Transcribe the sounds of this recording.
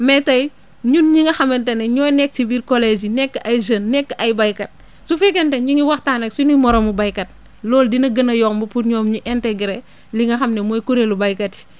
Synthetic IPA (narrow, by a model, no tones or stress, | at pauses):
mɛtɐj | ɲunɲiŋɐxɐmenteneɲɔjnɛk̚tibiːɾkoled͡ʒinɛkːʔajd͡ʒənnːɛkːɐjbɐjkɐt̚ | sufekenteɲuŋiwɐxtanɐksunumɔɾomubajkɐt̚ | lɔːldinɐɡɐnɐjɔkmbuputɲɔːmɲuʔɛntɛɡɾe | liŋɐxɐmnemojkuɾelubɐjkɐti̥